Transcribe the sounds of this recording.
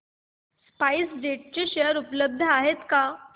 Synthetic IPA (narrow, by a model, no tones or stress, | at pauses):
paiːsd͡ʑeʈ̚t͡ɕeɕəɾupləb̚d̪ʱəaɦet̪ka